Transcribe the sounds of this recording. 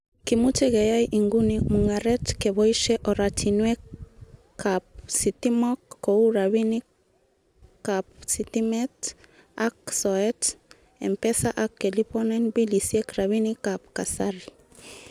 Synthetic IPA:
kimutɛɣejajʔiŋɡunimuŋaɾɛtkɛβɔiʃɛʔɔɾatʰinwɛ | kap̚sit̪imɔkːouɾaβini | kap̚sit̪imɛt | aksɔɛt | ɛ̰mpɛsaʔakːelipɔnɛnbilisiɛkɾaβinikapkasaɾi

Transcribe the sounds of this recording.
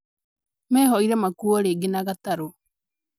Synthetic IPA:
mɛːɦɔiɾɛmakuɔɾeɡenaɣataɾo

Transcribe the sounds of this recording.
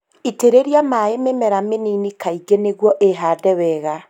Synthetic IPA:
iteɾeɾjamaememɛɾameninikaiɡeneɣwɔʔeɦaːdɛwɛɣa

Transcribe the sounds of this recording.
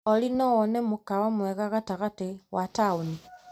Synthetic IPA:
ɔlinɔwɔnɛmukawamwɛɣaɣataɣatiwʔatauni

